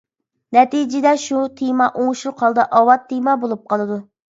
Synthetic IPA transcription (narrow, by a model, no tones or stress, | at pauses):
nɛt̪id͡ʒɪd̪ɛʃut̪ʰijmɑʔoŋʃuqʰɑlˠd̪ɨʔɑwɑt̪ʰːijmɑbolˠup̚qʰɑlˠɨd̪u